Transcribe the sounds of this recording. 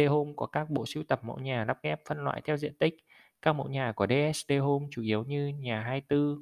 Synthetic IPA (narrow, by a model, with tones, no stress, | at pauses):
ɗe˧ɦo˧mkɔ˨˩˦kaː˦˥k̚ɓo̰˧˨si˧˦wt̪ə˨˩p̚mo̰˧˥jɲaː˨˩la˦˥p̚ɣɛ˦˥p̚fə˧nlwa̰ː˧˨jt̪ʰɛ˧wzḭ˧˨ənt̪ï˦˥k̟̚ | kaː˦˥k̚mo̰˧˥jɲaː˨˩ku˨˩əɗe˧ʔɛ˦˥sɗe˧ɦo˧mt͡ɕu˧˩ʔi˨˦əwɲɨ˧ɲaː˨˩ɦaː˧jt̪ɨ˧